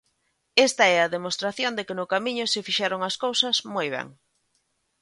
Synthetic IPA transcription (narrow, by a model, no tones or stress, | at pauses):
est̪ɐɛɐðemost̪ɾaθjond̪ɪkɪnʊkamiɲʊsɪfiʃɛɾoŋɐskowsɐzmojβ̞ɛ̰ŋ